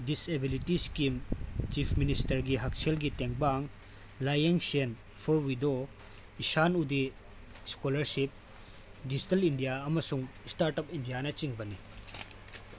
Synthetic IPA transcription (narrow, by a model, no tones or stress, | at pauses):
disebilitiskimt͡ʃipʰministɐɾɡiɦɐk̚selɡiteŋbaŋ | lajeŋsen | pʰɔɾwido | isanudi | skolɐɾsip̚ | did͡ʒitɐlindijaɐmɐsuŋstaɾtɐpindijanɐt͡ʃiŋbɐni